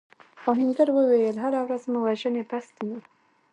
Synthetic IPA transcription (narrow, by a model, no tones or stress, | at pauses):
oɦɪnd̪əɾwəwejelɦaɾawɾazmuwaʒənepast̪ji